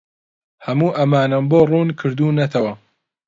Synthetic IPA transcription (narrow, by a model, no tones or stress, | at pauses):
hɐmuːʔɐmaːnɐmboːruːnkʰɨɾd̪uːnɐt̪ʰɐwɐ